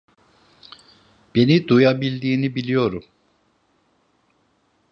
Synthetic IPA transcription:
b̥e̞nid̪ujabilʲd̪iːnibilʲijo̞ɾum

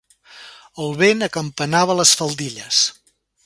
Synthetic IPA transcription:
əlˠβenəkəmpənaβ̞ələsfəlˠd̪iʎəs

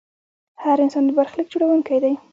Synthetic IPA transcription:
haɾɪnsɑnd̪əbaɾxlək̚d͡ʒoɽawəŋkajd̪aj

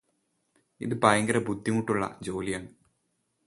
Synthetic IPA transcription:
ḭðɨpaːjɐŋɡɐɾɐbud̪ʱːimuʈːuɭːɐ̰d͡ʑo̞ːlijaːɳɨ

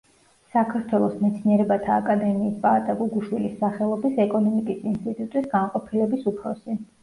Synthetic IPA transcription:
sakʰaɾt̪ʰwɛlˠɔsmɛt̪sʰniɛɾɛbat̪ʰaːkʼad̪ɛmiːspʼat̪ʼaɡuɡuʃwilisːaχɛlˠɔbisɛkʼɔnɔmikʼisinst̪ʼit̪ʼut̪ʼisɡanqʼɔpʰilɛbisupʰɾɔsi

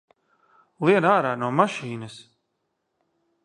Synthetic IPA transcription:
lˠiɛnaːɾaːnuɔmaʃiːnɐs

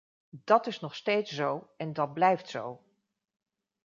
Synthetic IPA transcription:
d̥ɑtɪsnɔχstejtsowɛndɑd̚blɛjftsow

